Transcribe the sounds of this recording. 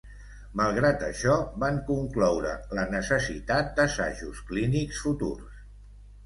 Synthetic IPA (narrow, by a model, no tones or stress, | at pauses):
məlˠɣɾat̪əʃɔβaŋkuŋklɔwɾə̰lənəsəsḭt̪at̪̚d̪əsa̰ʒuskliniksfut̪ṵrs